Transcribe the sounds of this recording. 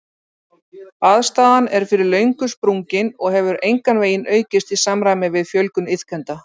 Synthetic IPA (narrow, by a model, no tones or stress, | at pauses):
aðst̪aːðanɛɾ̥fɪɾɪɾlœɥŋkʏspɾuŋcɪnɔɣɦɛvʏɾejŋkanveːjɪnʔœːɥcɪst̪isamɾajmɪvɪðfjœlkʏnɪθkʰɛnt̪a